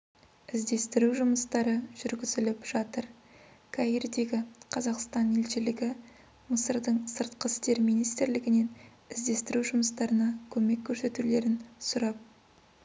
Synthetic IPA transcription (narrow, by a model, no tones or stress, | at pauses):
ɪzd̪e̞st̪ɪɾuʒʊməst̪ɑɾəʒ̥ʏɾɡʲɪzɪlɪpʒ̥ɑt̪əɾ | kʰɑird̪e̞ɡʲɪqʰɑzɑqst̪ɑne̞lʃɪlɪɡʲɪ | məsəɾd̪əɴsəɾt̪qəst̪e̞ɾmijnijst̪ɪɾlɪɡʲɪne̞n | ɪzd̪e̞st̪ɪɾuʒʊməst̪ɑɾənɑkʲʰɵme̞kʲʰːɵɾse̞t̪ule̞ɾɪnsʊɾɑp̚